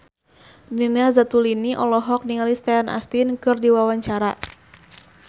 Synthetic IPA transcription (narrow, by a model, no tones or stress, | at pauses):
ninazat̪uliniʔɔlɔɦɔk̚niŋalist̪ɛanʔa̰st̪inkɨrdiwawaɲt͡ʃaɾa